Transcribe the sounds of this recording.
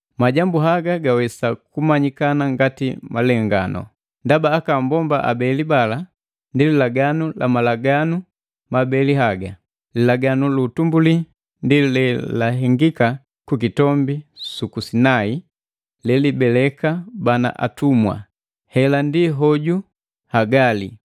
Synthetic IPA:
maɟambuɦaɡaɡawɛsakumaɲikanaŋɡatimalɛŋɡa̰nʔɔ̰ | ndabaːkambɔmba̰ʔa̰bɛlibala | ndililaɡanulʔa̰malaɡanu | mabɛliɦaɡa | lilaɡanulutumbuli | ndilɛlaɦɛŋɡika | kukitɔmbisukusinai | lɛlibɛlɛkabana̰ʔa̰tumwa̰ | hɛlandiɦɔɟu | haɡalḭ

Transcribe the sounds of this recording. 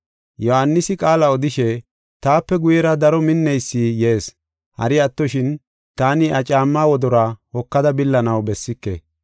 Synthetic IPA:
jɔhanːɪsɪkʼaːlɐɔd̪ɪʃɛ | t̪aːpːɛɡʊjɛɾɐd̪ɐɾɔmɪnːɛjsːijeːs | hɐ̰ɾɪɐt̪ːɔʃɪn | t̪aːnɪʔɐt͡ʃʼaːmːaːwɔd̪ɔɾahɔkːɐd̪ɐbɪlːɐnɐwbɛsːɪkːḛ

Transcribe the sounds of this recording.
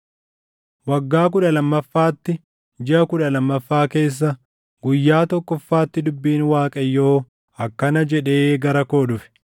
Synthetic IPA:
wɐɡːaːk̬ʊᶑɐlɐmːɐfːaːt̪ːɪ | d͡ʒɪʔɐkʊᶑɐlɐmːɐfːaːke̞ːs̬ːɐ | ɡʊjːaːt̪ɔkːɔfːaːt̪ːɪd̪ʊbːiːnwaːkʼɐjːoː | ɐkːɐnɐd͡ʒɛᶑe̞ːɡɐɾɐko̞ːᶑʊfɛ̥

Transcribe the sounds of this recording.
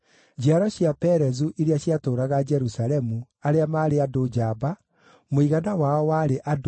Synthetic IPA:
d͡ʑiaɾɔɕjapɛɾɛzuʔeɾeaɕiatoːɾaɣad͡ʒɛɾusaɾɛmu | aɾeamaːɾeadod͡ʑaba | moiɣanawaɔwaɾeʔad

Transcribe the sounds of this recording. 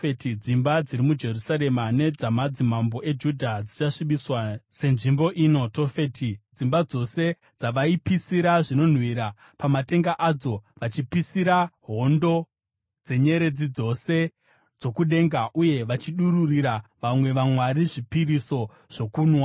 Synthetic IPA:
etid͡zimbad͡ziɾimud͡ʒe̞rusaɾe̞mane̞d͡zamad͡zimambo̞ʔe̞d͡ʒudʱad͡zit͡ʃaʂiɓiswase̞nʐimbo̞ʔiːno̞tofetid͡zimbad͡zo̞se̞ | d͡zaʋaipisiɾaʐino̞n̤wiɾa | pamate̞ŋɡaʔad͡zo̞ʋat͡ʃipisiɾaɦo̞ndo̞ | d͡ze̞ɲe̞ɾe̞d͡zid͡zo̞se̞ | d͡zo̞kuɗe̞ːŋɡaʔuje̞ʋat͡ʃiɗuɾuriɾaʋamwe̞ʋamwaɾiʐipiɾiso̞ | ʐ̥o̞kuːnwa

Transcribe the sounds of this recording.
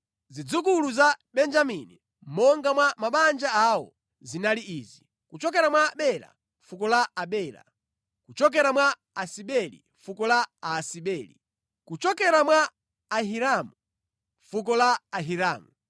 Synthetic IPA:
zid͡zukuluzaɓɛnd͡ʒamini | mɔŋɡamwamaɓand͡ʒaawɔ̰ | zinaliiːzi | kut͡ʃɔkɛɾamwaɓɛɾa̰ | fukɔlaaɓɛːɾa̰ | kut͡ʃɔk̬ɛɾamwa | asiɓɛlḭɱfukɔlaaːsiɓɛːlḭ | kut͡ʃɔkɛɾamwaː | ɦiɾamu | ɱfuk̬ɔlaaɦiɾaːmu

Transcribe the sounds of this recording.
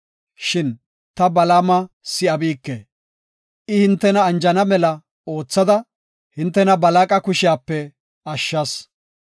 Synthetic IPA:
ʃɪn | t̪ɐbɐlaːmɐ | sɪɐbiːkːḛ | ʔɪhɪnt̪ːɛnɐːnd͡ʒɐnɐmɛlɐ | o̞ːt͡sːɐd̪ɐ | hɪnt̪ːɛnɐbɐlaːkʼɐkʊʃɪjaːpːɛ | ɐʃːɐs

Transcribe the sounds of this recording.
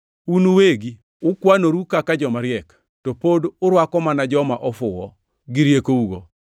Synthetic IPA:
unuweɡi | ʊkwanoɾukakad͡ʒɔmaɾjɛk | topodʊɾwakɔmanad͡ʒɔmaʔɔfʊwɔ | ɡɪɾjekouɡo

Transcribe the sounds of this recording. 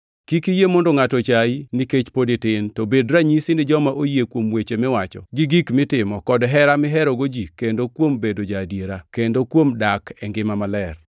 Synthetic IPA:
kikijemɔndɔŋatɔt͡ʃainiket͡ʃpodɪtɪntɔbedɾaɲisɪnɪd͡ʒɔmaʔojekwomwet͡ʃemɛwat͡ʃɔ̰ɡɪɡikmɪtɪmɔkɔdɦɛɾamɪɦɛɾɔɡod͡ʒikendokwombedod͡ʒadjeɾakendokwomdakʰɛŋɡɪmamalɛr

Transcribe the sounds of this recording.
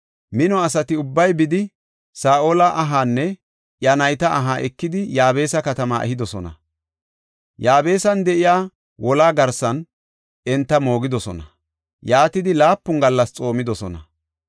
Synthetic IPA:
mɪnɔɐsɐt̪ɪʊbːɐjbɪd̪ɪ | saːʔoːlɐʔɐɦaːnːɛ | ʔjɐnɐjt̪ɐʔːɦaːʔɛkːɪd̪ɪjaːbe̞ːsɐkɐt̪ɐma̰ːʔɛ̰ɦɪd̪ɔsɔnɐ̰ | jaːbe̞ːsɐnd̪ɛʔɪjaː | wʔɔlaːɡɐɾsɐn | ɛnt̪ːɐmo̞ːɡɪd̪ɔsɔ̰nɐ | jaːt̪ɪd̪ɪlaːpːʊŋɡɐlːɐst͡sʼo̞ːmɪd̪ɔsɔnɐ

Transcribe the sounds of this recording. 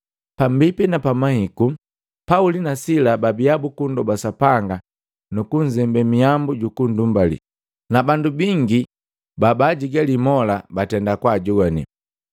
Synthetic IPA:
pambipinapamahiku | paulinasilababiabukundɔbasapaŋɡa | nukuɲzɛmbɛmiambuɟukundumbalḭ | nabandubiŋɡi | babaɟiɡalimɔlabatɛndakwaɟuɡanḭ

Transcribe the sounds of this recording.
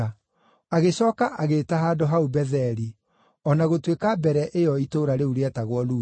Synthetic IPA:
a | aɣeɕɔːkaʔaɣetaɦaːdoɦaubɛðɛɾi | ɔnaɣotwekabɛɾɛʔejɔitoɾaɾeuɾeɛtaɣwɔluː

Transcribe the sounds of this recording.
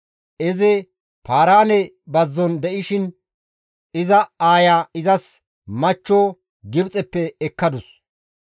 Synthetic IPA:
ʔɛzɛ | pʰaːɾaːnɛ | bɐzːɔnd̪ɛʔɪʃɪn | ɪzɐaːjaːɪzɐs | mɐt͡ʃːoː | ɡɪbt͡sʼɛpːɛːkːɐd̪ʊs

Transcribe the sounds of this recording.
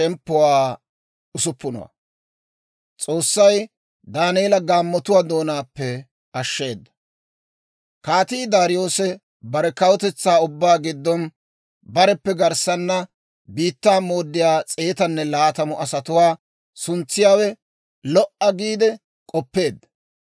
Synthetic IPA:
t͡ʃɛmpːʊwaː | ʊsʊpːʊnɔ̰wɐ̰ | t͡sʼo̞ːsːɐj | d̪aːneːlɐɡaːmːɔt̪ʊwaːd̪o̞ːnaːpːɛ | ʔɐʃːe̞ːd̪ːɐ̥ | kaːt̪iːd̪aːɾɪjo̞ːsɛ | bɐɾɛkɐwɔt̪ɛt͡sːaːʊbːaːɡɪd̪ːɔn | bɐɾɛpːɛɡɐɾsɐnːɐ | biːt̪ːaːmo̞ːd̪ːɪjaːt͡sʼe̞ːt̪ɐnːɛlaːt̪ɐmʊʔɐsɐt̪ʊwaː | sʊnt͡sːɪjaːwɛ | lɔʔɐɡiːd̪ɛ | kʼɔpːe̞ːd̪ːɐ

